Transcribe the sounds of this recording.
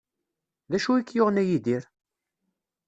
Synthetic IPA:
ðæʃuikːjoʁənæjid̪iɾ

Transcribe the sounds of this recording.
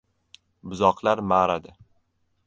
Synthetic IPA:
bʊzɒqlaɾmaɾad̪ɪ

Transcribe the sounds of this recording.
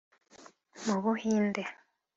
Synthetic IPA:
muβuhiːnde

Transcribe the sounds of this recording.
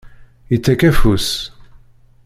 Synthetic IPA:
jit͡sːækæfus

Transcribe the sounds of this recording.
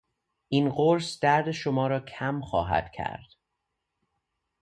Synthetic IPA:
ʔiːnɢoɾsd̪̥æɾd̪eʃomɒːɾɒːcʰæmxɒ̰ːɦæ̰d̪̥cʰæ̰ɾd̪̥

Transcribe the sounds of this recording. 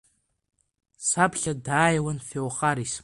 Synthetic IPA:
sapɬɐdaːjɐwɐnfewχaɾis

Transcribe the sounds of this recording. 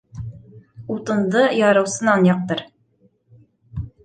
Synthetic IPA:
ut̪ɤ̆nd̪ɤjɒɾɤ̆wsɤ̆nɑnjɑq̚t̪ɤɾ

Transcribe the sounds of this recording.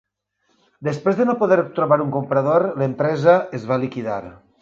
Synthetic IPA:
d̪espɾezðenopoðɛɾt̪ɾoβaɾuŋkompɾəðoɾləempɾɛzəezβalikiða̰ɾ

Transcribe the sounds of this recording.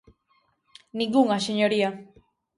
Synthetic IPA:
niɡuŋaseɲoɾia

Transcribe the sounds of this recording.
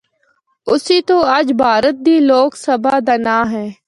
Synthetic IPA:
ʊsiːt̪oːɐd͡ʒbʱaːɾət̪̚d̪iːloːksəbʱaːd̪ənaːɦɛ̃ː

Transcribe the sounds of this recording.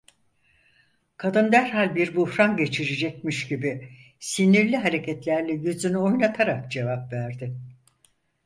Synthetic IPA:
kʰad̪ɯnd̪æɾɦalʲbiɾbuhɾanɟe̞t͡ʃʰiɾid͡ʒɛc̚miʃɟibɪ | siniɾlʲiɦaɾe̞cʰɛt̪lʲæɾlʲɛjyzynyo̞jnat̪ʰaɾakd͡ʒe̞vapvæɾd̪ɪ

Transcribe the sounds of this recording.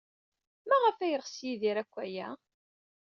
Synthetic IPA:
mæʁəfæjəʁsjiðiɾækʷːæjæ

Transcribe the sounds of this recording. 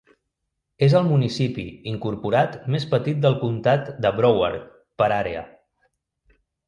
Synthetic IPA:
ezəlˠmunisipḭiŋkuɾpuɾat̪mespət̪it̪̚d̪əlˠkunt̪at̪d̪əβɾɔwə̰ɾt̪ | pəɾaɾeə̰

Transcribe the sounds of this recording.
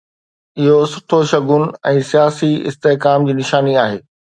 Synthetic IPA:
ɪɦosʊʈʰoʃɐɡʊn̆ɛ̃ːsijaːsiɪ̰st̪eɦkaːmd͡ʑiːnɪʃaːniaːɦeː

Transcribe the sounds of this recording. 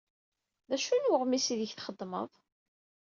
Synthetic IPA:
ðæʃunwʊʁmisiðəçθχəd̪ˤːmə̰ðˤ

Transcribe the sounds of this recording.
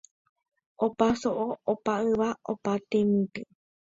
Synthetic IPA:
opasoʔoopaɨʋao̰pat̪emĩt̪ɨ

